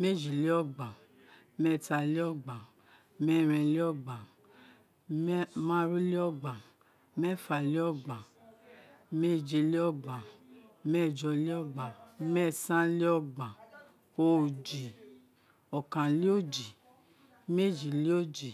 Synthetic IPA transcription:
me˦˨d͡ʒi˨li˦ɔ˦˨ɡ͡bã˨˦ | mɛ˦˨ta˧li˦ɔ˦˨ɡ͡bã˨˦ | mɛ˦˨ɾ̃ɛ̃˧li˦ɔ˦ɡ͡ba˨˦ | mã˦ɾu˦li˦ɔ˦˨ɡ͡ba˨˦ | mɛ˦˨fa˧li˦ɔ˦ɡ͡bã˨ | me˦˨d͡ʒe˧li˦ɔ˦˨ɡ͡bã˨˦mɛ˦˨d͡ʒɔ˧li˦ɔ˦˨ɡ͡ba˨mɛ˦˨sã˦li˦ɔ˦ɡ͡bã˨ | o˧˨d͡ʒi˨ | ɔ˨kã˨li˦o˦˨d͡ʒi˨ | me˦˨d͡ʒi˨li˦o˦˨d͡ʒi˨

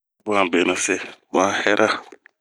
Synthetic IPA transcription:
ba˨be˨na˨sɛ˦ba˦hɛ˦ɾa˦

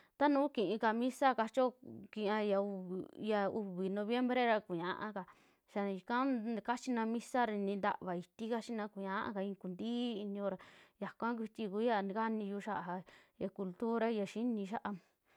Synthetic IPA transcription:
t̪a˦nũː˨˦kĩ˨ʔĩ˧ka˧mĩ˦sa˦ka˧t͡ʃo˦kĩ˧ã˧ja˧u˧βi˨ja˧u˧βi˨nõ˧βje˦mbɾe˦ɾa˧ku˨ɲã˧ʔã̰˧ka˧ | ʃa˧i˨kã˦ka˦t͡ʃi˦nã˧mĩ˦sa˦ɾa˧nĩ˧nd̪a̰˧ʔβa˨i˧t̪i˦ka˦t͡ʃi˦nã˧ku˨ɲã˦ʔa̰˧ka˧ĩ˧ku˨nd̪iː˦i˧nĩ˧õ˧ɾa˧˨ja˨kʷã˦k̬ʷi˧t̪ʲi˧ku˧˦ja˧n˧ka˦nĩ˧ju˧ʃa˦ʔa˨ɦa˧ja˨ku˧lt̪u˦ɾa˦˧ja˧ʃi˦nĩ˧ʃa˦ʔa˧

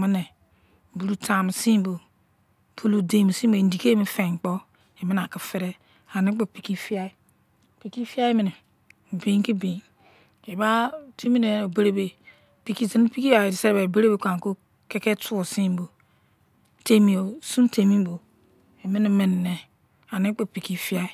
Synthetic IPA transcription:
mi˦ne˨ | bu˨ɾu˦tʰa˨mi˨si˦m˦bo˨ | pʰu˦lu˨de˨mi˨si˦bo˨n˨di˨ke˦mi˦fe˨k͡po˦ | e˨mi˦na˨ki˨fe˦ɾe˦ | a˨ni˦k͡po˨pi˨ki˦fi˦a˦i˦ | pi˨ki˦fi˦a˦i˦mi˨ne˨ | be˨ŋki˦be˨n | e˨ba˦ti˦mi˦ne˨o˨be˦ɾe˦be˨ | pi˨ki˦zi˨n˦pi˦ki˦a˨i˨di˨se˦be˨be˦ɾe˦be˨kʷa˨ŋ˨ko˦ | ke˦ke˦tu˦o˨si˦m˦bo˨ | te˨mi˨o˨sũ˦te˨mi˦m˦bo˨ | e˨mi˦ni˨me˨nː˨e˨ | a˨ni˦k͡po˨pi˨ki˦fi˦a˦i˦

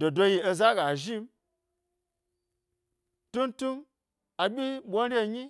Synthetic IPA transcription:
do˨do˧ji˧e˧za˦ɡa˨ʒi˦m | tu˦ntu˦m | a˨ɓʲi˦ɓʷo˦n˦ɾʲe˦ɲi˦

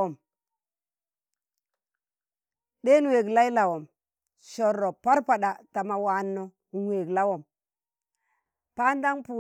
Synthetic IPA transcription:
o˨m | ɗe˦n˨we˨ɡla˦i˦la˨wo˨m | ʃo˨ɾːo˨pa˦ɾpa˨ɗa˨ta˨ma˨wa˨nːo˨ | nwe˨ɡla˦wo˨m | pa˦nda˦ŋpu˨

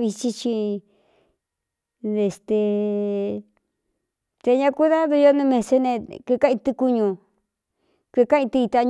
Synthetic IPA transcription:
βi˧t͡ʃi˧t͡ʃi˧ | ðe˨˧˨st̪e˧˨ | t̪e˧ɲã˧ku˦ða˦ðu˧jo˦nũ˧mẽ˧se˧nẽ˧kʷe˧kã˦ʔĩ˧t̪ɨ˧ku˧ɲũ˧˨ | kʷe˧ka˦ĩ˧t̪ɨ˧i˧t̪a˧ɲ

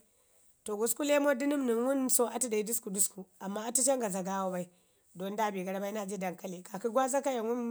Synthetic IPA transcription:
to˨ɡu˨sku˦le˦mo˦di˦ni˦mni˨nwu˦nso˦ʔa˦ti˦da˨i˦du˦sku˨du˦sku˨a˨mːa˦a˦ti˦t͡ʃa˦ŋɡa˨za˨ɡa˦wo˦ba˦i˦ | do˨n˦da˦˨bi˨ɡa˨ɾba˦i˦na˦˨d͡ʒi˦da˨ŋka˦li˨ka˨ki˦ɡʷwa˦za˦ka˦ja˨nwu˦n

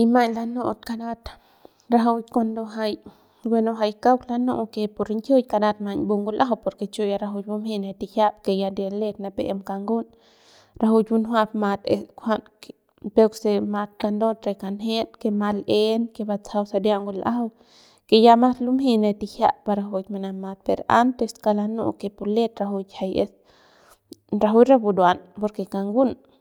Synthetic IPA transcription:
i˧ma˧ɲla˧no˧ʔt̪ka˧na˦t̪ | ɾa˧ɦa˧wkʷa˧nd̪o˧ɦa˧j | wʷe˧no˧ɦa˧jka˦wla˧no˦ʔke˧po˧ɾi˧ŋkʲjo˦jka˧na˧t̪ma˧ɲbu˧ŋɡu˧lʔa̰˦˧wpo˧ɾke˧t͡ʃo˦˧ja˧ɾa˧ɦu˧jbu˧mhi˧ne˧t̪i˧hja˦pke˧ja˧d̪ja˧le˦˧t̪na˧pe˨e˧mka˧ŋɡu˦n | ɾa˧hu˧t͡ʃbu˧nɦʷwa˧pma˧t̪ḛ˧skʷha˦nk | pe˧kse˧ma˧t̪̚ka˧nd̪o˦t̪ɾe˧kanɦe˦lkema˧lenke˧ba˧t͡sa˧wsa˧d̪jaŋɡu˧lʔa˦w | ke˧ja˧ma˦slu˦mhi˦na˧t̪i˧hja̰˧pa˧ɾa˧ɦu˧t͡ʃma˧na˧ma˧t̪̚peɾa̰˦nt̪e˧ska˧lanṵ˧kepu˧le˦t̪ɾaɦu˧t͡ʃha˧jḛ˧s | ɾa˧ɦu˦ɾa˦bu˧d̪wa˧npo˧ɾkeka˧ŋɡu˦n

